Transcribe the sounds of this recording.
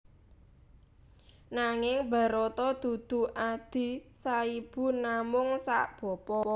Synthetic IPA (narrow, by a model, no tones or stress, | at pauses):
naŋɪŋbä̤ɾot̪ɔd̪̥ṳd̪̥ṳʔad̪̥i̤saib̥ṳnamʊŋsaʔb̥ɔ̤pɔɔ